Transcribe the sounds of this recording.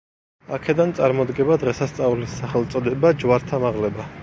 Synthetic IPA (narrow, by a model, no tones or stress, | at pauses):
akʰɛd̪ant̪sʼaɾmɔd̪ɡɛbad̪ʁɛsast̪sʼaulisːaχɛlˠt̪sʼɔd̪ɛbad͡ʒwaɾt̪ʰamaʁlɛba